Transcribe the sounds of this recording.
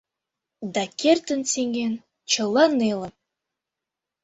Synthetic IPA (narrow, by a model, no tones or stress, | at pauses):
d̪ɑkʲert̪ə̆nseŋen | t͡ɕɤ̆lˠɑnelə̆m